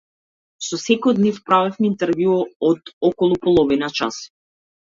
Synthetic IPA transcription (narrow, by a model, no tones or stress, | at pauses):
sɔsɛkɔjɔd̪nifpɾavɛfmɛint̪ɛɾvjuɔɔd̪ɔkɔlˠupɔlˠɔvinat͡ʃa̰s